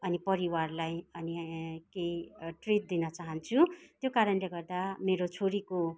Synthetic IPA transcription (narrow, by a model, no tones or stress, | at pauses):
ʌnipʌɾiwarlajʌnikejʈrit̪̚d̪inʌt͡saɦʌnt͡sʰut̪jokaɾʌnleɡʌrd̪ameɾot͡sʰoɾiko